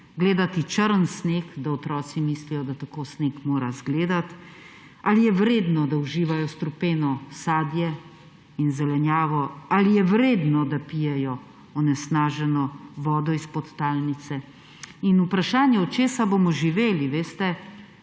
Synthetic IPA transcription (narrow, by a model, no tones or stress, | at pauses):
ɡleːd̪at̪it͡ʃəɾənsneːkd̪aɔt̪ɾɔːt̪simislijɔd̪at̪akoːsneːkmoːɾazɡleːd̪at̪ | alijɛʋɾeːd̪nɔd̪auʒiːʋajɔst̪ɾupeːnɔsaːd̪jɛ | inzɛlɛnjaːʋɔalijɛʋɾeːd̪nɔd̪apijɛjɔ | ɔnɛsnaːʒɛnɔʋɔːd̪ɔispɔt̪ːaːlnit̪sɛ | inupɾaʃaːnjɛɔt͡ʃeːsabomɔʒiʋeːliʋeːst̪ɛ